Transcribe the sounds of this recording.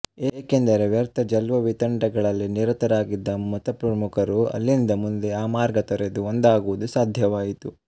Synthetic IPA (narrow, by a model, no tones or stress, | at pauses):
eːkend̪ɐɾeʋjɐɾt̪ʰɐd͡ʒɐlʋɐʋit̪ɐɳɖɐɡɐɭɐlːiniɾɐt̪ɐɾaːɡid̪ːɐmɐt̪ɐpɾɐmukʰɐɾuɐ̰lːind̪ɐmund̪eaːmaːɾɡɐt̪ɐɾed̪uond̪aːɡuʋud̪usaːd̪ʱjɐʋaːjit̪u